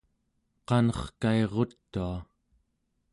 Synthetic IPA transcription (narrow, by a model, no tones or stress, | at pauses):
qɑnʌχkaeʁo̞t̪ːua